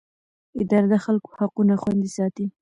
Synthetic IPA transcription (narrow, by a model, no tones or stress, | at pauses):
ɪd̪ɑɾad̪axalko̥haqunaxwand̪isɑt̪i